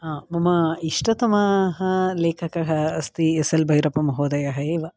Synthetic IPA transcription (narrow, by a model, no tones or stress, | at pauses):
ɦaːmɐmɐiʂʈɐt̪ɐmɐɦɐleːkʰɐkɐɦɐːst̪iesɐlbʱɐjɾɐpɐmɐɦoːd̪ɐjɐɦɐeːʋɐ